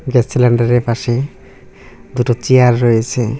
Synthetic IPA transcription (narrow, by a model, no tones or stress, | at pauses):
ɡɛsilɛɳɖaɾepaʃe | d̪uʈɔt͡ʃiaɾːɔjet͡ʃʰe